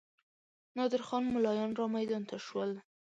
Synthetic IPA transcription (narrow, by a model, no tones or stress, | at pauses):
nɑd̪ɪɾxɑnmʊlɑjɑnɾɑmajd̪ɑnt̪ʰaʃwəl